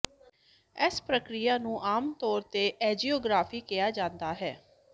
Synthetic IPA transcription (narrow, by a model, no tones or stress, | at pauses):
ɛspɾəkɾɪjaːnũːʔaːmt̪ɔːɾt̪eːʔɛːd͡ʒiːoːɡɾaːpʰiːkɪjaːd͡ʒãːnd̪aːɦɛː